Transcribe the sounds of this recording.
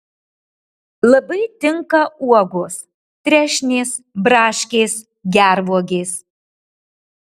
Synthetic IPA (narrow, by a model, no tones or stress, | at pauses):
lˠɐbɐɪt̪ʲɪŋkɐuɔɡʊs | t̪ʲɾʲæʃʲnʲeːs | bɾɑːʃʲkʲeːs | ɡʲæɾʋuɔɡʲeːs